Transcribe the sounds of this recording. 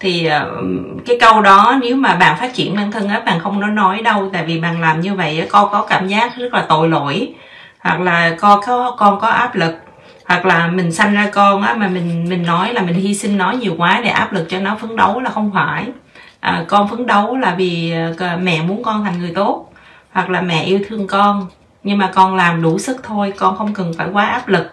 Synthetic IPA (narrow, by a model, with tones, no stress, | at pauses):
t̪ʰi˨˩əː˨˩ | kaː˨˦jkə˧wɗɔ˨˦ne˨˦wmaː˨˩ɓa̰ː˧˨nfaː˦˥t̚t͡ɕḭ˧˩ənmaː˧nt̪ʰə˧ŋʔəː˨˦ɓa̰ː˨nxə˧wŋ͡mnɔ˨˦nɔ˨˦jɗə˧wt̪a̰ː˧˨jvi˨˩ɓa̰ː˨nlaː˨˩mɲɨ˧və̰˧˨jʔaː˨˦kɔ˧kɔ˨˦kaː˧˩mzaː˦˥k̚zə˦˥k̚laː˨˩t̪o̰˧˨jlo̰˧˨j | hwa̰˨˩k̚laː˨˩kɔ˧˦kɔ˨˦kɔ˧nkɔ˨˦ʔaː˦˥p̚lɨ˨˩k̚ | hwa˨˩k̚laː˨˩mï˨˩ŋ̟sa˧jŋ̟zaː˧kɔ˧nʔaː˨˦maː˨˩mï˨˩ŋ̟mï˨˩ŋ̟nɔ˨˦jlaː˨˩mï˨˩ŋ̟hi˧sï˧ŋnɔ˨˦jɲi˨˩əwkwaː˨˦ɗḛ˧˩ʔaː˦˥p̚lɨ˨˩k̚t͡ɕɔ˧nɔ˨˦fɨ˨˦əŋɗə˨˦wlaː˨˩xə˧wŋ͡mfaː˧˩j | ʔəː˨˩kɔ˧nfɨ˨˦əŋɗə˨˦wlaː˨˩viː˨˩˨mɛ̰˧˨mu˨˦ənkɔ˧nt̪ʰa˨˩jŋ̟ŋɨ˨˩əjt̪o˦˥t̚ | hwa˨˩k̚laː˨˩mɛ̰˧˨ʔi˧əwt̪ʰɨ˧əŋkɔ˧n | ɲɨ˧ŋmaː˨˩kɔ˧nlaː˨˩mɗu˧˩sɨ˦˥k̚t̪ʰo˧jkɔ˧nxə˧wŋ͡mkə˨˩nfaː˧˩jkwaː˨˦ʔaː˦˥p̚lɨ˨˩k̚